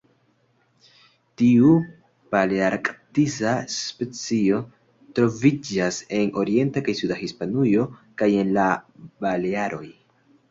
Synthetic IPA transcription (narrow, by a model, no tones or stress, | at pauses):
tiu | paleaɾkʼtisaspe̞t͡sio̞ | tɾo̞vid͡ʒase̞no̞ɾie̞ntakajsudahispanujo̞kaje̞nlabaleaɾo̞j